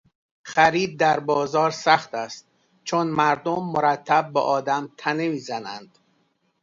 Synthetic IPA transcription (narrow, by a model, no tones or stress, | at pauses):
χæɾiːb̚d̪æɾbɒːzɒːɾsæχt̪æst̪̚ | t͡ʃʰonmæɾd̪omːoɾæt̪ʰːæb̚ːɛʔɒːd̪æmt̪ʰæne̞miːzænæ̰nd̪̥